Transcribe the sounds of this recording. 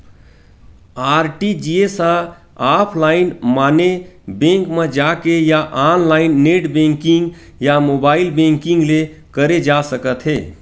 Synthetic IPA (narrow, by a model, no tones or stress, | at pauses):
aːɾʈid͡ʒiesə | apʰlaːɪnmaːnebẽŋkmẽd͡ʒakejaʔanlaːɪnːeʈbẽŋkĩŋɡ | jamobaːɪlbẽŋkɪ̃ŋɡle | kəɾed͡ʒasəkət̪ɦeː